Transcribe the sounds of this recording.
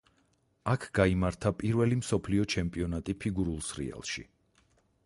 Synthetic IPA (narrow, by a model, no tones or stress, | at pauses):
akʰɡ̥aimaɾt̪ʰapʼiɾvɛlimsɔpʰliɔt͡ʃʰɛmpʼiɔnat̪ʼipʰiɡuɾulˠsɾḭa̰lˠʃḭ